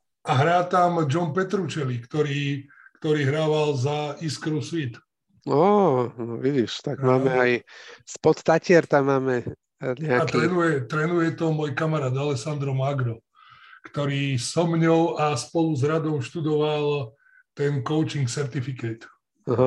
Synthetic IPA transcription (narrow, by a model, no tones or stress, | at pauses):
aɦɾaːt̪amd͡ʒɔnpɛt̪ɾut͡ʃɛlikt̪ɔɾiː | kt̪ɔɾiːɦɾaːʋalzaiskɾusʋit̪ | ɔnɔʋiɟiʃt̪aɡmaːmɛajspɔt̪t̪acɪɛɾt̪amːaːmɛ | ɲɛat̪ɾɛnujɛt̪ɾɛnujɛt̪ɔmɔːjkamaɾaːd̪alɛsand̪ɾɔmaɡɾɔ | kt̪ɔɾiːsɔmɲɔʊʔaspɔluzɾad̪ɔmʃt̪ud̪ɔʋalˠ | t̪ɛnkɔʊt͡ʃiŋksɛɾt̪ifikɛt̪ | aɦa